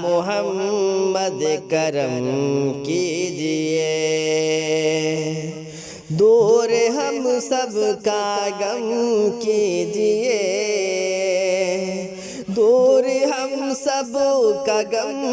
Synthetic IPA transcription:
mʊɦɐmːɐd̪ekɐɾəmkid͡ʒie | d̪oːɾeɦɐmsɐbkaɡɐmkid͡ʒije | d̪oːɾeɦɐmsɐbkaɡɐm

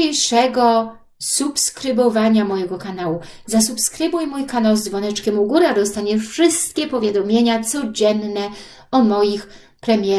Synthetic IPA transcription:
ejʂɛɡɔ | supskɾɘbɔvaɲamɔjɛɡɔkanawu | zasupskɾɘbujmujkanawzd̪vɔnɛt͡ʂkʲɛmuɡuɾad̪ɔst̪aɲɛfʂɘst̪̚kʲɛpɔvʲjad̪ɔmʲjeɲat̪sɔd͡ʑɛnːɛ | ɔmɔjix | pɾɛmʲjɛ

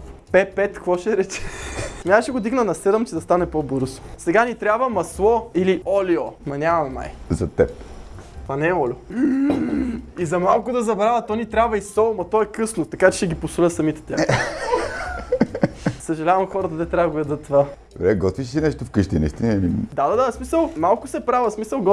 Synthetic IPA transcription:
pɛpɛt̪kvɔʃɛɾɛt͡ʃɛ̥mʲaʃɛɡod̪iɡnənɐsɛd̪ɛmt͡ʃɛd̪ɐst̪anɛpobɤɾzo̥sɛɡanit̪ɾʲabvəmɐslˠɔiliʔɔliomɐnʲavɐmɛma̰jzɐt̪ɛpt̪ovanɛɛɔlʲo | izɐmalˠkʊd̪ɐzɐbɾavɐt̪ːɔnit̪ɾʲabvɐisɔlˠmɐt̪ɔɛkɤsnot̪ɐkat͡ʃɛ̥ʃɛɡiposolʲət̪sɐmit̪ɛ̥t̪ʲax | sɐʒɐlʲavɐmxɔɾət̪əd̪ɛt̪ɾʲavvɐɡojɐd̪ɤt̪ːova | vɛɡɔt̪viʃsinɛʃt̪ofkɤʃt̪inḭʃt̪inmind̪ad̪ad̪asmisəlˠmalˠkʊsɛpɾavəsmisəlˠɡ

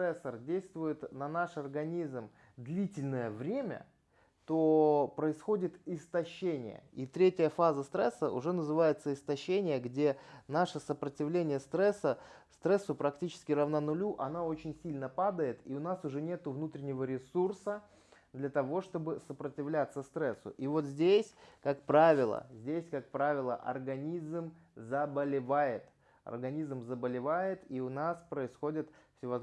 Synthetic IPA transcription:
ɾɛsərdʲejst̪vʊjɪt̪nɐnaʂɐrɡɐnʲizm | d̪lʲitʲɪlʲnəjəvɾʲemʲə̰ | t̪o̞pɾəɪsxo̞dʲɪt̪ɪst̪ɐɕːenʲɪ̰jə̰it̪ɾʲetʲɪjəfazəst̪ɾɛsːəʔʊ̰ʐɛnəzɨvajɪt̪səɪst̪ɐɕːenʲɪjəɡdʲe̞naʂəsəpɾətʲɪvlʲenʲɪjəst̪ɾɛsːəst̪ɾɛsːʊpɾɐktʲit͡ɕɪ̥skʲɪrəvnanʊlʲuʔɐnoo̞t͡ɕɪnʲsʲilʲnəpad̪əjɪt̪iʊnasʊʐɛnʲe̞t̪ʊvnut̪ɾʲɪnʲɪvəɾʲɪsursə | d̪lʲɐt̪ɐvo̞ʂt̪o̞bɨsəpɾətʲɪvlʲat̪sːəst̪ɾɛsːʊ̰ʔivo̞t̪zʲdʲesʲkakpɾavʲɪlˠə̰zʲdʲesʲkak̚pɾavʲɪlˠəʔɐ̰rɡɐnʲizm | zəbəlʲɪvajɪt̪ | ɐ̰rɡɐnʲizmzəbəlʲɪvajɪt̪iʊnaspɾəɪsxo̞dʲɪt̪fsʲɪvɐ

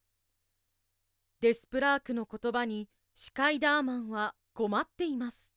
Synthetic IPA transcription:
d̪e̞sɨ̥pɯ̟ɾaːkɯ̟no̞ko̞t̪o̞baɲ̟i | ɕi̥kaid̪aːmãɰ̃βa | ɡ̥o̞mat̪ːe̞imasɨ̥

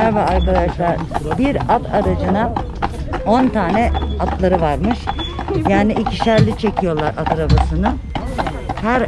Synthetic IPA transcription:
æɾvɛaɾkad̪aʃlˠaɾbiɾat̪ʰaɾad͡ʒɯna | o̞nt̪ʰaːnɛat̪lˠaɾɯvaɾmɯʃ | jaːniʔicʰi̥ʃæɾlʲit͡ʃʰe̞cʰijo̞lˠaɾʔat̪ʰaɾabasɯnɯ | hæɾ

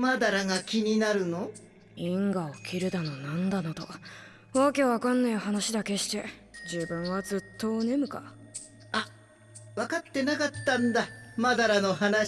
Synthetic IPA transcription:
mad̪aɾaŋakʲiɲ̟inaɾɯ̟no | ĩŋɡaokʲʰiɾɯ̟d̪ano̞nãnd̪anot̪o̞̰ | βake̞βakanːaihanaɕid̪ake̞ɕi̥t̪e̞d͡ʑɨːbɯ̟̃ɰ̃βad͡zɨt̪ʰːo̞ɯne̞mɯ̟ka | a | βakat̪ːe̞nakat̪ːãnd̪amad̪aɾano̞ɦana

